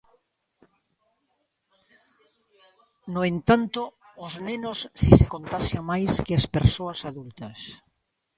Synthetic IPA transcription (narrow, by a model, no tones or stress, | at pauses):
noent̪ant̪oːznenosːisekont̪aʃjamajskɪaspeɾsoɐsaðult̪ɐs